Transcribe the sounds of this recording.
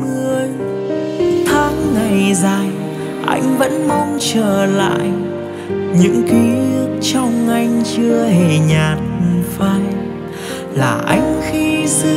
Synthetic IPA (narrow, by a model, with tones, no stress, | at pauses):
mɨ˧əj | t̪ʰaː˨˦ŋŋa˨˩jzaː˨˩j | ʔa̰˧jŋ̟və̰˧˥nmɔ˧wŋ͡mt͡ɕəː˧˩la̰ː˧˨j | ɲɨ̰˧˥ŋki˨˦ɨ˦˥ək̚t͡ɕɔ˧wŋ͡mʔa˧jŋ̟t͡ɕɨ˧əhe˧˨˩ɲaː˨˩t̚faː˧j | laː˨˩ʔa˧jŋ̟xi˧sɨ˧˦